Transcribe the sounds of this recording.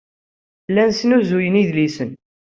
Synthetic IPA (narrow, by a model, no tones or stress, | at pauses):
lːænsənuzujəniðlisən